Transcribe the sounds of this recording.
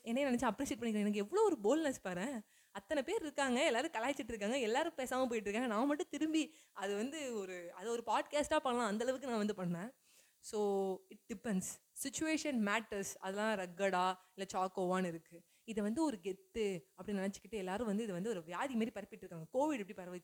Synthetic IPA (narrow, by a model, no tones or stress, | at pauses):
ɛnːɐeːnɐnɛt͡ʃːãɐpːɾiːseːʈ̚pɐɳːɪkɾẽɛnɐk̬ːɛʋːɐɭoːɔɾɯboːlnɐspaːɾẽː | ɐt̪ːɐnɐpeːɾɪɾɯkːaːŋɡɐɛlːaːɾɯ̃kɐlaːɪt͡ʃːɪʈːɪɾɯk̬ːaːŋɡɐɛlːaːɾɯ̃peːsaːmɐpoːjɪʈːɾɯkːaːŋɡɐnãːmɐʈːɯ̃t̪ɪɾɯmbi | ɐðɯʋɐnd̪ɯɔɾɯɐðɐɔɾɯpaːɖkaːsʈaːpɐɳːɐlãːɐnd̪ɐɭɐʋɯkːɯnãːʋɐnd̪ɯpɐɳːɐnẽː | soːɪʈ̚ɖɪpɛnsːɪt͡ʃːʊeːʂɐnmaːʈːɐɾsɐðɛlãːɾɐɡːɐɽaːɪlːɐt͡ʃaːkoːʋaːnɪɾɯkːɯ | ɪðɛʋɐnd̪ɯɔɾɯɡɛt̪ːɯɐpːɐɽinɪnɐt͡ʃːɯ̥kːɪʈːɯɛlːaːɾɯ̃ʋɐnd̪ɯɪðɛʋɐnd̪ɯɔɾɯʋɪjaːðimaːd̪ɾipɐɾɐpːɪʈːɪɾɯkːaːŋɡɐkoːʋɪɽɛpːɐɽipɐɾɐʋɐ